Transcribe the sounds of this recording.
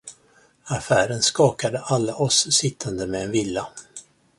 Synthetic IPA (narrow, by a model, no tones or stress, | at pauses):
afæːɾənskɑːkad̪əʔalːaʔɔsːɪt̪ʰːand̪əmɛɛnvɪlːa